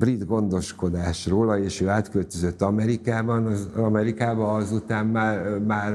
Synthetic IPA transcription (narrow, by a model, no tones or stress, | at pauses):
brid̪ɡo̞nd̪o̞ʃko̞d̪aːʃroːlɒeːʃøːaːt̪kølt̪øzøt̪ːɒmɛɾikaːbɒnɒzɒmɛɾikaːbɒɒzut̪aːmːaːrmaːr